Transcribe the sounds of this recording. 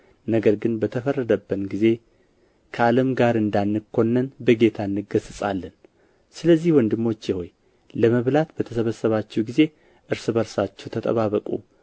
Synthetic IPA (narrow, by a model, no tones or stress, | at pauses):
nəɡəɾɡɨnbət̪ʰəfərːəd̪əbːənɡize̞ | kʰəaləmɡaɾɨnd̪anːɨkʰːo̞nːənbəɡe̞t̪ʰanːɨɡəsɨsʼa̰lːən | sɨləzːihwɔnd̪ɨmːo̞t͡ʃːjɪho̞j | ləməβlat̪bət̪ʰəsəβəsːəβat͡ʃːɛwɡize̞ | ʔɨɾsɨβəɾsat͡ʃːɛwt̪ʰət̪ʼə̰βaβəkʼṵ